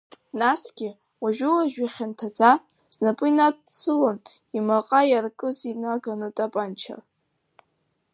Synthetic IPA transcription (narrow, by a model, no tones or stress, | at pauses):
nasɡʲɪ | waʒᶣulaʒᶣaχʲantʰad͡za | z̥napʼɨinadsʰɨlan | imaqʼajarkʼɨzinaaɡanɨtʼapʼant͡ʃʰa̰r